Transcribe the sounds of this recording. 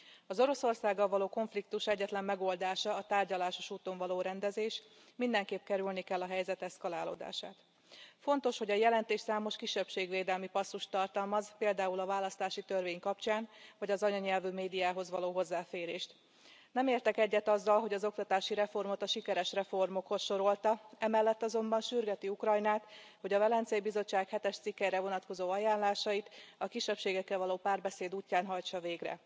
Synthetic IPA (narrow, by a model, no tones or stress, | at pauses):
ɒzo̞ɾo̞so̞rsaːɡːɒlvɒloːko̞ɱflik̚t̪uʃɛɟːɛt̪lɛmːɛɡo̞ld̪aːʃɒːt̪aːrɟɒlaːʃo̞ʃuːt̪o̞ɱvɒloːɾɛnd̪ɛzeːʃ | mind̪ɛŋkeːp̚kɛɾylnikɛlːɒɦɛjzɛt̪ɛskɒlaːlo̰ːd̪a̰ːʃa̰ːt̪ | fo̞nt̪o̞ʃho̞ɟɒjɛlɛnt̪eːʃsaːmo̞ʃkiʃːɛpʃeːɡʋeːd̪ɛlmipɒsːuʃt̪ːɒrt̪ɒlmɒzpeːld̪aːulɒvaːlːɒst̪aːʃit̪ørveːɲkɒpt͡ʃaːnvɒɟɒzɒɲɒɲɛlvyːmeːd̪ijaːɦo̞zʋɒloːɦo̞zːaːfeːɾeːʃt̪ | nɛmeːrt̪ɛkɛɟːɛt̪ɒzːɒlɦo̞ɟɒzo̞kt̪ɒt̪aːʃiɾɛfo̞rmo̞t̪ɒʃikɛɾɛʃrɛfo̞rmo̞kho̞sʃo̞ɾo̞lt̪ɒɛmɛlːɛt̪ːɒzo̞mbɒnʃyrɡɛt̪iukrɒjnaːt̪ho̞ɟɒvɛlɛnt̪sɛibizo̞t͡ʃːaːkhɛt̪ɛʃt̪sikːɛjɾɛvo̞nɒt̪ko̞zoːɒjaːnlaːʃɒjit̪ɒkiʃːɛpʃeːɡɛkːɛlvɒloːpaːrbɛseːd̪uːcːaːnɦɒjt͡ʃɒveːɡrɛ̰